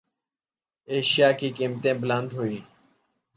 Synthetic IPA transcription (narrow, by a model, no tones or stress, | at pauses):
eːʃjaːkiːkiːmt̪ẽːblə̃nd̪ɦoːiː